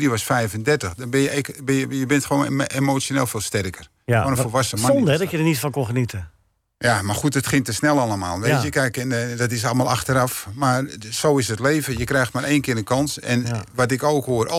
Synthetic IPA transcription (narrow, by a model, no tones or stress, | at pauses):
riʋɔsfɛjvəndɛrtəxdɔnbɪnjəɛkbɪnjəjəbɪntxʋoːnemot͡ssjoneːlˠfɪːlˠstɛrkər | oːnənfolˠʋasəmandɛdɔjədənitfɔnkonxənitə | jamarxut̚ətxɪŋtəsnɛlˠalˠəma̰ːlˠʋeːtjəkɛjkɛndɔt̬ɪsɑlˠmalˠʔa̰xtəɾafmarsoːɪsətleːvəjəkrɛjxtmaɾʔeːnkɪːənkɔnsɛ̰nʋatɪkoːkhoərʔo